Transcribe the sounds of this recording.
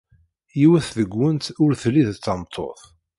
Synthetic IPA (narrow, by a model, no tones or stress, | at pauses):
jiwæθðəɡʷːənt̪ʊɾθlːiðt͡sːɑmt̪ˤʰːo̰θ